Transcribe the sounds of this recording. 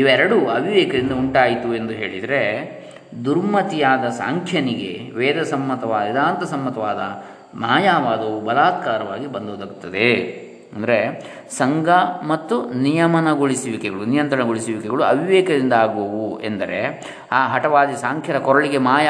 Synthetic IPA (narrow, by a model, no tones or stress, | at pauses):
iʋɐɛɾɐɽuɐʋiʋɛːkɐd̪ind̪ɐuɳʈaːjit̪ue̞nd̪uɦe̞ːɭid̪ɐɾe̞ | d̪uɾmɐt̪ijaːd̪ɐsa̰ːŋkʰjɐniɡeʋɛːd̪ɐsɐmːɐt̪ɐʋaːd̪ɐid̪aːnt̪ɐsɐmːɐt̪ɐʋaːd̪ɐ | maːjaːʋaːd̪ɐʋubɐlaːt̪̚kaːɾɐʋa̰ːɡibɐnd̪oːd̪ɐɡut̪ːɐd̪e | ɐnd̪ɐɾe̞ | sɐŋɡɐmɐt̪ːunijɐmɐnɐɡoɭisiʋikɛɡɐɭunijɐnt̪ɾɐɳnɐɡoɭisiʋikɛɡɐɭuɐʋiʋɛːkɐd̪ind̪ɐaːɡbɐʋuend̪ɐɾe | aːɦɐʈɐʋaːd̪isaːŋkʰjɐd̪ɐkɔɾɐɭiɡe̞maːja